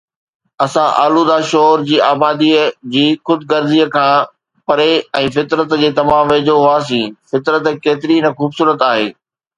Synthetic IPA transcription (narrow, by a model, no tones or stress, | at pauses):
ɐsãʔa̰ːluːd̪aːʃɔːɾd͡ʑiːaːbaːd̪iəd͡ʑiːxʊd̪ɡɐɾziːəkʰãː | pɐɾeɛ̃ːfɪt̪ɾət̪d͡ʑeːt̪ɐʋ̤ãʋeːd͡ʑoɦʊaːs̬ĩːfɪt̪ɾət̪keːt̪ɪɾinɐxuːbsuːɾət̪aːɦḛː